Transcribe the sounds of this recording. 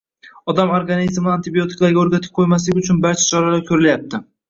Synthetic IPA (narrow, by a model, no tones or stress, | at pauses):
ɒd̪amoɾɡanizmnɪant̪ɪbio̞t̪ʰɪ̥klˠaɾɡʲaoɾɡʲat̪ʰɪ̥p̚qʰojmas̬lɪɡʲʊt͡ʃʰʊnbaɾt͡ʃʰḁt͡ʃʰɒɾalaɾkʲʰɵɾɪljap̚t̪ʰɪ